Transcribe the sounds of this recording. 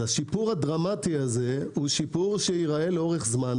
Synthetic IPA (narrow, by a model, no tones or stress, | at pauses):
aʃipuʁhad̪ʁamat̪iazehuʃipuʁʃeiʁaeleo̞ʁeχzman